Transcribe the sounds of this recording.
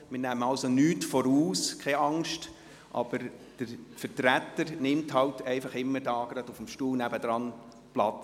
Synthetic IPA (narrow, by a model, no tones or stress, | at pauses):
mɪːnæməɑlsonyːtfɔɾuːskʰɛɑŋʃt | ʔɑ̰b̥əɾd̥əɾfəɾtɾæt̪ːəɾnɪmthɑwtɛɪfɑχɪmːəɾdɑːɡ̥ɾɑdufəmʃtuːlnæbəd̥̪ɾɑn | plɑt͡s